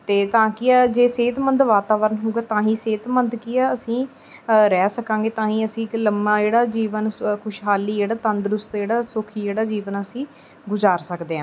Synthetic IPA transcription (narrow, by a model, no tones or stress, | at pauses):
t̪eːt̪ãːkɪɛd͡ʒeːseːt̪mənd̪ʋaːt̪aːʋəɾənɦoːɡaːt̪ãːɦĩːseːt̪mənd̪kiɛəsĩː | ɾɛːsəkãːŋɡeːt̪ãːĩːəsĩːkləmaːd͡ʒeːɽaːd͡ʒiːʋənkʰʊʃɦaːliːd͡ʒeːɽaːt̪ə̃nd̪ɾʊst̪d͡ʒeːɽaːsʊkʰiːd͡ʒeːɽaːd͡ʒiːʋənəsĩː | ɡʊzaːɾsəkd̪eːãː